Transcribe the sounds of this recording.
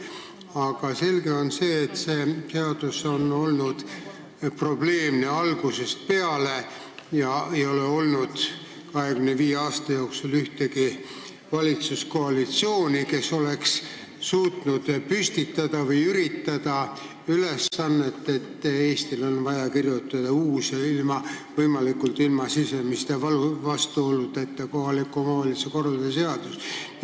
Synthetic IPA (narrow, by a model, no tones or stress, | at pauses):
ɑɡ̥ɑse̞lɡe̞o̞nse̞ːt̪se̞ːt̪e̞ɑd̪̥uso̞no̞lnud̪̥ | pro̞b̥le̞ːmneɑlɡ̥use̞st̪̚pe̞ɑle̞ | jɑe̞jo̞leo̞lnud̪̥ | kɑɦe̞ɡymneviːeɑːst̪ɑjo̞ːksulyht̪e̞ki | vɑlʲit̪susko̞ɑlit̪sio̞ːnʲike̞so̞le̞ks | suːt̪nud̪̥pyst̪it̪ːˑɑd̪̥ɑvɯjyɾit̪ːɑd̪̥ɑ | yle̞sːɑnːe̞t̪ːˑe̞t̪ːe̞ːst̪ilo̞nvɑjɑkirjut̪ːˑɑd̪̥ɑuːseilmɑvɤjmɑlikːult̪ilmɑsisemist̪e̞vɑlvɑst̪uo̞lːud̪̥et̪ːeko̞ɦɑlikːˑuomɑvɑliseko̞rːɑld̪ese̞ɑd̪̥us